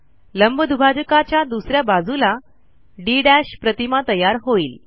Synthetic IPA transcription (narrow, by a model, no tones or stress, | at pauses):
ləmbəd̪ʱubʱad͡ʑəkat͡ɕjad̪usɾjabad͡zʱula | ɖiɖæɕpɾət̪imat̪əjaɾɦoiːl